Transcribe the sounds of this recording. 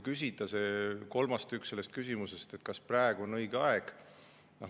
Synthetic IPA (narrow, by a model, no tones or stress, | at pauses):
kysʲid̪̥ɑseko̞lmɑst̪ykse̞lːe̞st̪̚kys̬ʲimuse̞st̪e̞t̪̚kɑspræeɡ̥uonɤjɡ̥eɑeɡ̥ | no